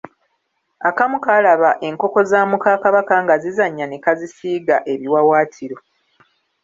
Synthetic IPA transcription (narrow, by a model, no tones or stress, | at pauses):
akamukalaβaʔe̞ŋko̞ko̞zaːmukaːkaβakaŋɡazizaɲːanekazisiːɡaʔe̞βiwawaːtʰiɾo̞